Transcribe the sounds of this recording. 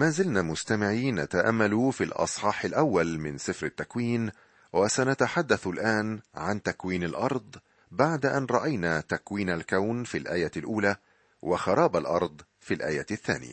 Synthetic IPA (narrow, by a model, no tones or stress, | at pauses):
maːzɪlnaːmʊst̪amɪʕiːna̰t̪aʔa̰mːalufilʔɑ̰sˤħɑːħɪlʔawːalmɪnsˤɨɪfɾɪt̪ːakwiːn | wasanat̪aħad̪ːaθlʔaːnʕant̪akwiːnalʔɑɾˤd̪ˤ | baʕd̪aʔanɾˤɑʔajnaːt̪akwiːnalkawnfilʔaːjalʔuːlaː | waxɑɾˤɑːbalʔɑ̰ɾˤd̪ˤ | filʔaːjaθːa̰ːnɪ̰ja̰